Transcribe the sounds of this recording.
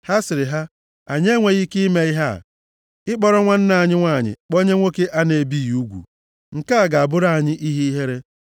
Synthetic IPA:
ha˦sɪ˨ɾɪ˨ɦa˦ | a˨ɲ˦e˦ŋʷe˨ɣi˦ki˦me˦i˦ɦa̰˦˨ | ɪ˦k͡pɔ˦ɾɔ˦ŋʷa˦n̩˦na˨a˨ɲɪ˦ŋʷa˦˨ɲɪ̰˨k͡po˦ɲe˦ŋʷo˦ke˦ʔa˦ne˨bi˦˨ju˦ɡʷṵ˨ | ŋ̩˨ka˦˨ɡa˨a˨bʊ˦ɾa˦˨ɲɪ˦ʔi˦ɦi˦i˦ɦe˦ɾe˦

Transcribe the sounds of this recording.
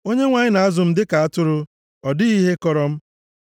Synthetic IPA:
o˦ɲe˦ŋʷa˨ɲɪ˦na˨a˦zʊ˨m̩˦dɪ˦ka˨a˦tʊ˦ɾʊ˦ | ɔ˨dɪ˦i˦ɦe˦kɔ˨ɾɔ˦m̩˦

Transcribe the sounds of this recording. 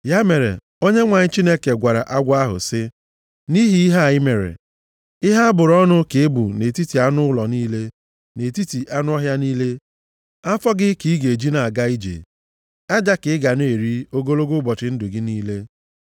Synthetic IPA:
ja˦me˨ɾḛ˨ | o˦ɲe˦ŋʷa˨ɲɪ˦t͡ʃi˦ne˦ke˨ɡʷa˨ɾa̰˨ʔa˦ɡʷa˦ɦʊ̰˨sɪ˦ | ni˦ɦi˦i˦ɦa˦˨ɪ˦me˨ɾḛ˨ | ɪ˦ɦa˦a˦bʊ˨ɾɔ˦nʊ˦ke˨e˦bṵ˨ne˨ti˦ti˨a˦nʊ˦lɔ˨niː˦le˦ | ne˨ti˦ti˨ʔa˦nʊ˦ɔ˦ɦja˦niː˦le˦ | a˦fɔ˦ɡɪ˦ki˦i˦ɡe˨d͡ʒi˦na˨a˨ɡa˦i˦d͡ʒḛ˨ | a˦d͡ʒa˦kɪ˨˦ɪ˦ɡa˨n˦e˨ɾi˦o˦ɡo˦lo˦ɡo˦bɔ˨t͡ʃɪ˨n̩˦dʊ˨ɡɪ˦niː˦le˦

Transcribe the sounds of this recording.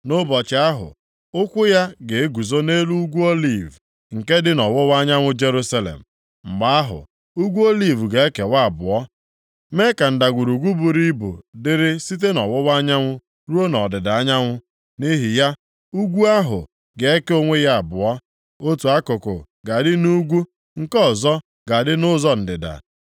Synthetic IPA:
nʊ˦bɔ˨t͡ʃɪ˨a˦ɦʊ̰˨ | ʊ˦kʷʊ˦ja˦ɡe˨e˦ɡu˨zo˦ne˦lu˦u˦ɡʷu˦o˦li˨v | ŋ̩˨ke˦dɪ˦nɔ˨wʊ˦wa˦ɲa˦ŋʷʊ˦d͡ʒe˦ɾu˦sa˦lḛ˨m̩˨ | m̩˨ɡ͡ba˦a˦ɦʊ̰˨ | u˦ɡʷu˦o˦li˦˨vɡe˨e˦ke˨wa˦a˨bʊ̰˨ɔ˦ | me˦ka˨n̩˨da˨ɡʷu˨ɾu˨ɡʷu˦bu˨ɾi˦bṵ˨dɪ˦ɾɪ˦si˦t̬e˦nɔ˨wʊ˦wa˦ɲa˦ŋʷʊ˦ | ɾu˦o˦nɔ˨dɪ˨da˨a˦ɲa˦ŋʷʊ˦ | ni˦ɦi˨ja˦ | u˦ɡʷu˦a˦ɦʊ̰˨ | ɡe˨e˦ke˦o˦ŋʷe˦ja˦a˨bʊ˨ɔ˦ | o˦tu˨a˦kʊ˨kʊ̰˨ | ɡa˨dɪ˦nu˦ɡʷu˦ | ŋ̩˦˨kɔ˦˨zɔ˦ | ɡa˨dɪ˦nʊ˦zɔ˦n̩˨dɪ˨da̰˨

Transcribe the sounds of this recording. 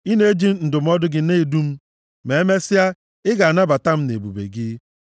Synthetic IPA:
i˦ne˦e˦d͡ʒi˦m̩˦n̩˨dʊ˨m̩˦ɔ˦dʊ˦ɡɪ˦˨ne˦˨du˦m̩˦ | me˨e˦me˦sɪ˦a˦ | ɪ˦ɡa˨a˨na˦ba˨ta˦m̩˦ne˨bṵ˨bḛ˨ɡɪ˦

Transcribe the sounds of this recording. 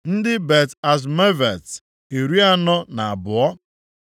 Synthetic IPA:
n̩˦dɪ˦be˨ta˨z̬me˦ve˨t | e˨ɾi˦a˦nɔ˦na˨a˨bʊ˨ɔ˦

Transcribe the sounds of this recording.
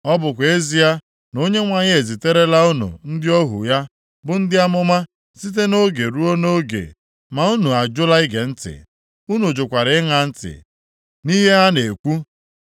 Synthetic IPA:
ɔ˦bʊ˨kʷe˦zi˦a˦ | no˦ɲe˦ŋʷa˦ɲe˦e˨zi˨te˦ɾe˦la˦u˦nṵ˨n̩˦dɪ˦ɔ˦ɦṵ˨ja˦ | bʊ˨n̩˦dɪ˦a˦mʊ˦ma˦ | si˦t̬e˦no˦ɡe˨ɾu˦o˦no˦ɡḛ˨ | ma˨u˦nu˨a˨d͡ʒʊ˦la˦ɪ˦ɡe˨n̩˦tɪ̰˨ | u˦nu˨d͡ʒʊ˨kʷa˨ɾɪ˨ɪ˦ŋa˨n̩˦tɪ̰˨ | ni˦ɦe˦a˦ne˨kʷu˦

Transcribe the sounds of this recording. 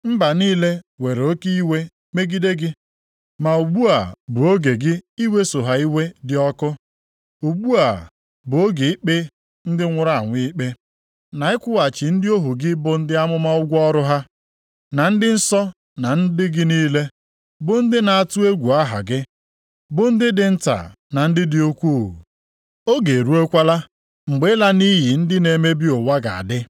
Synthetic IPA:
m̩˦ba˨niː˦le˦we˨ɾo˦ki˦i˦we˦ | me˦ɡi˦de˦ɡɪ˦ | ma˨u˨ɡ͡bu˦a˨bʊ˨o˦ɡe˨ɡɪ˦i˦we˦so˨ɦa˨i˦we˦dɪ˦ɔ˦kʊ˦ | u˨ɡ͡bu˦a˨ | bʊ˨o˦ɡi˨ɪ˦k͡pe˦ | n̩˦dɪ˦ŋʷʊ˦ɾa˦˨a˨ŋʷɪ˦k͡pe˦ | na˨ɪ˦kʷʊ˦wa˨t͡ʃɪ˨n̩˦dɪ˦o˦ɦu˨ɡɪ˦bʊ˨n̩˦dɪ˦a˦mʊ˦ma˦ʊ˦ɡʷɔ˦ɾʊ˦ɦa˦ | na˨n̩˦dɪ˦n̩˦sɔ˦ | na˨n̩˦dɪ˦ɡɪ˦niː˦le˦ | bʊ˨n̩˦dɪ˦na˨a˨tʊ˦e˦ɡʷu˨a˦ɦa̰˨ɡɪ˦ | bʊ˨n̩˦dɪ˦dɪ˨n̩˦ta̰˨ | na˨n̩˦dɪ˦dɪ˦o˦kʷo˦˨ṵ˨ | o˦ɡe˨ɾu˦e˦kʷa˦la˦ | ŋ͡m̩˨ɡ͡be˨˦la˦ni˦ɦi˨n̩˦dɪ˦ne˨me˦bi˦o˨wa˦ɡa̰˨a̰˨dɪ˦

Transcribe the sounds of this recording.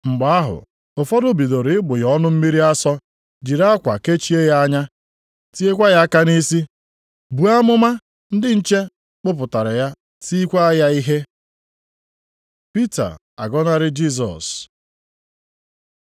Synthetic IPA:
ŋ͡m̩˨ɡ͡ba˨a˦ɦʊ̰˨ | ʊ˨fɔ˦dʊ˦bi˨do˨ɾɪ˨˦ɪ˦ɡ͡bʊ˨jɔ˦nʊ˦m̩˦mi˦ɾi˦a˦sɔ˦ | d͡ʒi˨ɾa˦a˦kʷa˨ke˦t͡ʃi˦e˦ja˦a˦ɲa˦ | ti˦e˦kʷa˦ja˦ka˦ni˦si˦ | bu˨a˦mʊ˦ma˦ | n̩˦dɪ˦n̩˦t͡ʃe˦ | k͡pʊ˦p̬ʊ˨ta˨ɾɪ˨ja˦ | si˦kʷa˦a˦ja˦i˦ɦe˦ | pi˦ta̰˨ | a̰˨ɡɔ˦na˦ɾɪ˦d͡ʒi˦˨s̬ɔ̰˨s

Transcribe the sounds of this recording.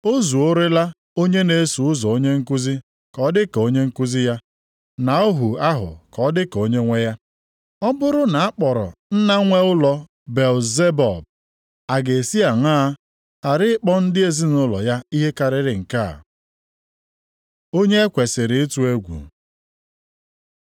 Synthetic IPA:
o˦zu˨o˦ɾe˦la˦ | o˦ɲe˦ne˨e˦su˨ʊ˦zɔ˨o˦ɲe˦ŋ̩˦ku˦zi˦ | kɔ˨˦dɪ˦ko˦ɲe˦ŋ̩˦ku˦zi˦ja˦ | na˨o˦ɦu˨a˦ɦʊ̰˨kɔ˨˦dɪ˦ko˦ɲe˦ŋʷe˦ja˦ | ɔ˦bʊ˦ɾʊ˦na˨a˦k͡pɔ˨ɾɔ̰˨n̩˦na˦ŋʷe˦ʊ˦lɔ˨ | be˨lze˦bɔ˨b̚ | a˨ɡe˨si˦a˨ŋaː˦ | a˨ɾɪ˦ɪ˦k͡pɔ˦n̩˦dɪ˦e˨zi˦nʊ˦lɔ̰˨ja˦i˦ɦe˦ka˨ɾɪ˨ɾɪ˨ŋ̩˨ka̰˦˨ | o˦ɲe˦e˦kʷe˨sɪ˨ɾɪ˨ɪ˦tu˦e˦ɡʷṵ˨

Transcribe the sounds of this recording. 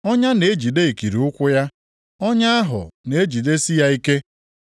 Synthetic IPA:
ɔ˦ɲa˦ne˨e˦d͡ʒi˨de˦i˨ki˨ɾi˨˦ʊ˦kʷʊ˦ja˦ | ɔ˦ɲa˦a˦ɦʊ̰˨ne˨e˦d͡ʒi˨de˦si˦ja˦i˦ke˦

